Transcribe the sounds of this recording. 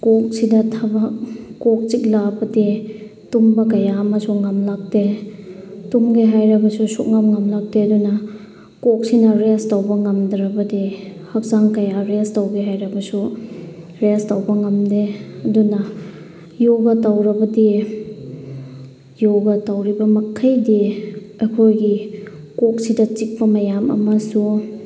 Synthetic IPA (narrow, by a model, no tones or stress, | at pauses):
kok̚sidɐtʰabɐk̚ːok̚t͡ʃik̚labɐdi | tumbɐk̬ɐjamɐsuŋɐmlak̚de | tumɡeɦajɾɐbɐsusuʔ̚ŋɐmŋɐmlak̚deɐdunɐ | kok̚sinɐɾestawbɐŋɐmdɾɐbɐdihɐk̚zaŋkɐjaɾestawɡeɦajɾɐbɐsu | ɾestawbɐŋɐmdeɐdunɐ | joɡɐtawɾɐbɐdi | joɡɐtawɾibɐmɐkʰɐjdi | ɐjkʰojɡi | kok̚sidɐt͡ʃik̚pɐmɐjamɐ̰mɐsu